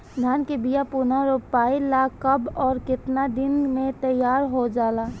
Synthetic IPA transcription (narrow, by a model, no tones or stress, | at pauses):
d̪ʱaːnkebijapunaɾopaːilakəbɔːɾkɪt̪nad̪ɪnmẽt̪əjaːɾɦod͡ʒaːla